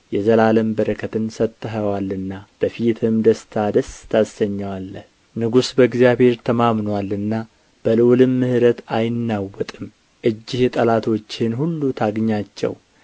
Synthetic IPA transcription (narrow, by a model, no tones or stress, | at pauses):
jɛzəlaləmbəɾəkʰət̪ɨnsət̪ʼːɨɦəwalːɨnːab̥əfit̪ʰɨmd̪əst̪ʰad̪əst̪ʰasːəɲːawalːəh | nɨɡusbəɡzijaβhe̞ɾt̪ʰəmamnwalːɨnːa | b̥əlɨwlɨmːɨhɨɾət̪ajɪnːawːɔt̪ʼɨm | ʔɨd͡ʒːɪhjt̪ʼəlat̪ʰo̞t͡ʃːɪnhulːut̪ʰaɡɲːat͡ʃːɛ̰w